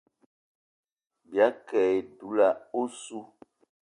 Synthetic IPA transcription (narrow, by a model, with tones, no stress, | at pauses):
bi˨a˨˦kɛ˨e˨du˨˦la˨o˦su˦